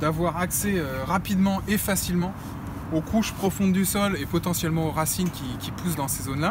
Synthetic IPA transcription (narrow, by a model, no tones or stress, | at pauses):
d̪avwaʁaksɛøʁapid̪mɑ̃ʔefasilmɑ̃ | okʰuʃpχɔfɔ̃d̪d̪ysɔlepɔt̪ɑ̃sjɛlmɑ̃oʁasinkʲikʲipus̬d̪ɑ̃sezonla